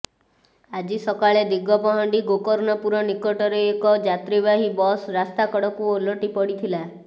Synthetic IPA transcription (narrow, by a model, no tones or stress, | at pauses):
ad͡ʒisɔkaɭed̪iɡɔpɔɦɔɳɖiɡokɔɾnɔpuɾɔnikɔʈɔɾeekɔd͡ʒat̪ɾiβaɦibɔsɾast̪akɔɽɔkuolɔʈipɔɽit̪ʰila